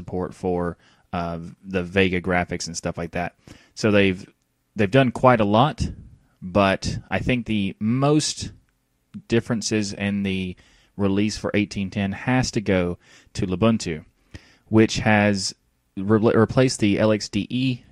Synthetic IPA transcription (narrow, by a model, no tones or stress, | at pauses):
əpʰɔɹtfə˞ | ðɨveɪɡɨɡɹæfɨksn̩stʌflaɪk̚ðæt̚ | soʊðeɪv | ðeɪvdʌ̃nkʰw̥aɪɾəlɔt̚ | b̥ʌɾaɪθɪ̃ŋk̚ðɨmoʊst | d̥ɪfɹɨ̃nsɪzɪ̃nðɨ | ɹɪlisfə̰˞ʔeɪtʰĩntʰɛ̃nɨstɨɡoʊ | ɾɨləbʊ̃ntʰʉ | wɪt͡ʃhɨz | ɹɹipʰl̥eɪsðiʔɛlˠɛksd̥iʔi